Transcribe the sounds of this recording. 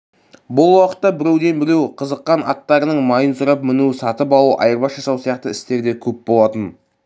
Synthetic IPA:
bʊlˠwɑqət̪ːɑbɪɾe̞wd̪e̞nbɪɾe̞wqʰəzəqːɑnɑ̰t̪ːɑɾənəɴmɑjənsʊɾəp̚mɪnusɑt̪əp̬ɑlˠuʔɑ̰jəɾbɑʒɑsɑwsijɑqt̪əɪst̪e̞ɾd̪e̞kʲʰɵp̚bo̞lˠɑt̪ən

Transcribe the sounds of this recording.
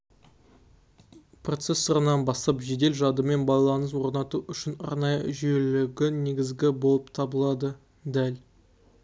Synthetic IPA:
pro̞t̪se̞sːəɾənɑnbɑst̪ɑpʒe̞d̪e̞lʒɑd̪əme̞nbɑjlˠɑnəs̬wo̞ɾnɑt̪uʔʏʃɪnɑ̰ɾnɑjə̰ʒʏje̞lɪɡʲɪne̞ɡʲɪzɡʲɪbo̞lˠəp̚t̪ʰɑbəlˠɑd̪ə | d̪æl

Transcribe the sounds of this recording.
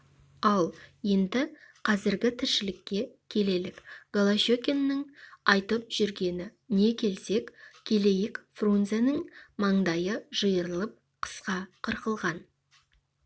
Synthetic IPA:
ɑlˠje̞nd̪ɪqʰɑzɪɾɡʲɪt̪ʰɪɾʃɪlɪkʲːe̞kʲʰe̞le̞lɪkɡ̥olˠaʃokʲenːɪŋɑjt̪əp̚ʒ̥ʏɾɡʲe̞nɪ | ne̞kʲʰe̞lse̞kkʲʰele̞jɪkfronzenəŋmɑɴd̪ɑjəʒəjəɾəlˠəp̚ | qʰə̥sqɑqʰəɾqəlˠʁɑn

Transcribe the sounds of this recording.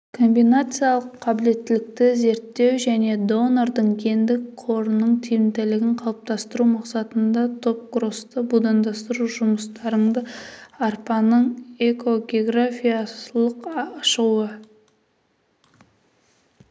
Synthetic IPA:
kʰo̞mbijnat̪sɨjalˠəqʰːɑbɪle̞t̪ːɪlɪk̚t̪ɪze̞ɾt̪ːe̞wʒæne̞d̪o̞noɾd̪əɴkʲʰe̞nd̪ɪkqʰo̞ɾənəɴt̪ʰijɪmt̪elɪɡʲɪɴqʰɑlˠəp̚t̪ɑst̪əɾumɑqsɑt̪ənd̪ɑt̪ʰo̞p̚ɡɾo̞st̪əbud̪ɑnd̪ɑst̪əɾuʒʊməst̪ɑɾəɴd̪əarpɑnəɴe̞ko̞ɡʲeoɡrafʲijalˠəqɑʃəuə

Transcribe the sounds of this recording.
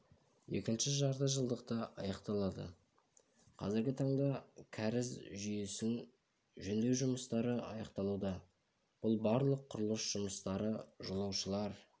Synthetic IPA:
je̞̰kʲɪnʃɪʒɑɾt̪ɑʒəlˠd̪əqt̪əɑ̰jɑqt̪ɑlˠɑd̪ə̰ | qʰɑ̰zɪɾɡʲɪt̪ʰɑɴd̪ɑkʲʰæɾɪzʒʏjesɪŋ | ʒɵnd̪ewʒʊməst̪ɑɾəɑ̰jɑqt̪ɑlˠud̪ɑ | b̥ʊlˠbɑɾlˠəqʰːʊɾlˠəsʒ̥ʊməst̪ɑɾəʒolˠɑwʃəlˠɑɾ

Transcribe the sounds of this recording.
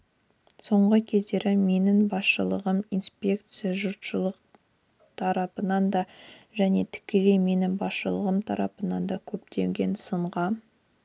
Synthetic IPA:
so̞ɴʁəkʲʰe̞zd̪e̞ɾɪme̞nɪŋbɑsʃəlˠəʁəminspʲe̞kt̪sɨjaʒʊɾt̪ʃəlˠəq | t̪ʰɑɾɑpənɑnd̪ɑʒæne̞t̪ʰɪ̥kʲe̞le̞jme̞nɪŋbɑsʃəlˠəʁəmt̪ʰɑ̰ɾɑ̰pənɑnd̪ɑkʲʰɵp̚t̪e̞ŋɡʲe̞nsəɴʁɑ

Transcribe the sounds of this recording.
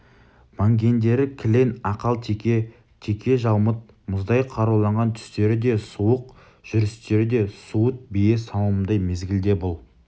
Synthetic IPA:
mɑŋɡʲe̞nd̪e̞ɾɪkʲʰɪle̞nɑqɑlˠt̪ʰe | t̪ʰekʲʰe̞ʒɑlˠmət̪̚ | mʊzd̪ɑjqʰɑɾuwlˠɑɴʁɑnt̪ʰʏ̥st̪e̞ɾɪd̪e̞suwəq̚ | ʒ̥ʏɾɪst̪e̞ɾɪd̪e̞suwət̪̚bejesɑw̪ˠəəmd̪ɑjme̞zɡʲɪld̪e̞bʊlˠ

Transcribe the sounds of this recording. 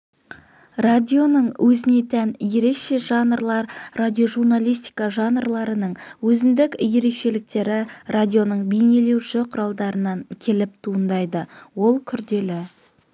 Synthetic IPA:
rad̪ʲijo̞nəɴwʔɵzɪne̞t̪ʰænje̞ɾe̞kʃe̞ʒɑnərɾlˠɑɾrad̪ʲio̞ʒurnalʲˠijst̪ʲijkɑʒɑnrlˠɑɾənəɴwɵzɪnd̪ɪkʲje̞ɾe̞kʃe̞lɪk̚t̪e̞ɾɪradʲijo̞nəɴbijne̞le̞wʃɪqʰʊɾɑlˠd̪ɑɾənɑŋkʲʰe̞lɪp̚t̪ʰuənd̪ɑjd̪əwo̞lˠkʲʰʏɾd̪e̞lɪ

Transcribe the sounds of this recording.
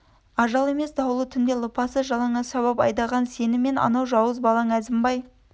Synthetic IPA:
ɑʒɑlˠe̞me̞sd̪ɑwəlˠət̪ʰʏnd̪e̞lˠəpɑsəʒɑlˠɑɴɑʃɑβɑpɑ̰jd̪ɑʁɑnse̞nɪme̞nɑ̰nɑwʒɑwəzbɑlˠɑŋæzɪmbɑj

